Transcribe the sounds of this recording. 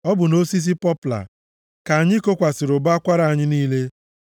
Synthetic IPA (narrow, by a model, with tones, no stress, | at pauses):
ɔ˦bʊ˨no˦si˦s̬i˦pɔ˦pla̰˨ | ka˨a˨ɲɪ˦ko˦kʷa˨sɪ˨ɾʊ˨ba˦kʷa˦ɾa˨a˨ɲɪ˦niː˦le˦